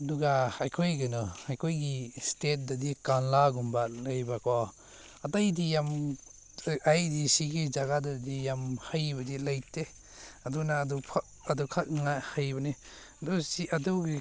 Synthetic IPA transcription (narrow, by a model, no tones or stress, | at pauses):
ɐduɡaajkʰojɡɐnɔajkʰojɡistet̚dadikanlaɡumbalajbaka | ɐtajdijam | ajdisiɡid͡ʒaɡadadijamhajbɐdilajte | ɐdunadupʰa | ɐdukʰat̚ŋahajbɐni | ɐdusiɐduɡi